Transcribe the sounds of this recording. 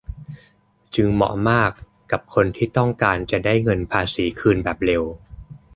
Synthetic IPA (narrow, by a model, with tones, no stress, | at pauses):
t͡ɕɯ˧ŋmɔ̰˨˩˦maː˥˩kː | a˨˩p̚kʰo˧nt̪ʰiː˥˩t̪ɔ˥˩ŋkaː˧nt͡ɕa˨˩daː˥˩jŋɤ˧npʰaː˧siː˩˦kʰɯː˧nbɛː˨˩p̚ɾe˧w